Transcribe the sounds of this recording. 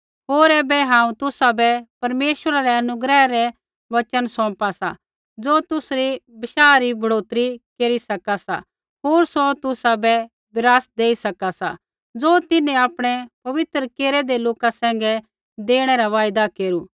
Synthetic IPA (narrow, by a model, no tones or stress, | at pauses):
ɦoːɾɛːbɛɦãːũt̪ʊsabɛpɐɾmeːʃəɾaɾɛɐnʊɡɾɛɾɛ | ʋɐt͡ʃənsɔ̃ːpasa̰ | d͡zoːt̪ʊsɾibɪʃaːɾibʱɐɽoːt̪ɾikeːɾisɐkasa̰ | ɦoːɾsot̪ʊsabɛ | bɪɾaːsd̪eːisɐkasa | d͡zoːt̪ɪnɛ̃aːpɽ̃ɛpɐʋɪt̪ɾəkeːɾɛd̪eloːkasɛ̃ːŋ̆ɡɛ | d̪eːɽ̃ɛɾaʋaːjd̪akeːɾu